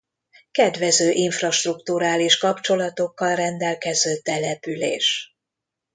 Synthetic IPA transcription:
kɛd̪ʋɛzøːʔiɱfrɒʃt̪rukt̪uɾaːliʃkɒpt͡ʃo̞lɒt̪o̞kːɒlrɛnd̪ɛlkɛzøːt̪ːɛlɛpylḛːʃ

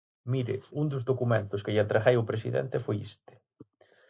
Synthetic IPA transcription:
miɾɪ̰und̪ʊzðokument̪ʊskɪʎat̪ɾaxejʊpɾesḭðḛnt̪ɪfojḭst̪ɪ̥

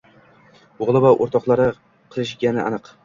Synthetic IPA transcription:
oʁlˠɪvaʔo̰ɾt̪ɒqlˠaɾɪ | qʰɨlˠɪʃɡʲanɪʔa̰nɨq

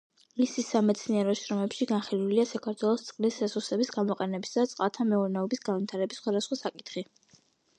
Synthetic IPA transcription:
misisːamɛt̪sʰniɛɾɔʃɾɔmɛpʃiɡanχiluliasakʰaɾt̪ʰwɛlˠɔst̪sʼqʼlisɛsusɛbisɡamɔqʼɛnɛbisd̪at̪sʼqʼat̪ʰamɛuɾnɛɔbisɡanvit̪ʰaɾɛbisːχwad̪asχwasakʼit̪ʰχi

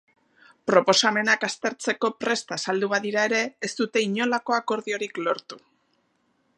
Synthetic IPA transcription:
pɾo̞po̞same̞nakast̪e̞ɾt͡se̞ko̞pɾe̞st̪aːsald̪uβaðiɾae̞ɾe̞ːst̪ut̪e̞iɲo̞lako̞ako̞ɾðio̞ɾiklo̞ɾt̪u̥

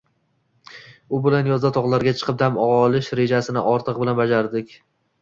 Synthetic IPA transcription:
ʊbɪlanjɒzd̪at̪ʰɒʁlˠaɾɡʲat͡ʃʰɨ̥qʰɨp̚d̪amɒʁːlˠɪʃɾe̞d͡ʒasɪnɪʔɒɾt̪ʰɨq̚bɪlanbad͡ʒaɾd̪ɪkʲ

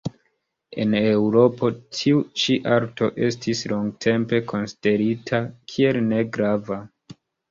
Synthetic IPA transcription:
e̞̰ne̞wɾo̞po̞tʰiut͡ʃiʔaɾto̞ʔe̞stislo̞ŋɡtʰe̞mpe̞kʰo̞nsi̥de̞ɾitʰakʰie̞lne̞ɡɾava

